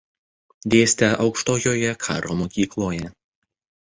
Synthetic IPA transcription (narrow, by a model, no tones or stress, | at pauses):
d̪ʲeːsʲt̪ʲɛʔɒʊkʃt̪oːjoːjɛkʰɑ̰ːɾʔoːmoːkʲiːklˠoːjɛ